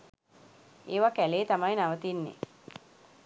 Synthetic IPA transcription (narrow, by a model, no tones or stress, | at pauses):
eːʋakæleːt̪amajnaʋət̪inːḛ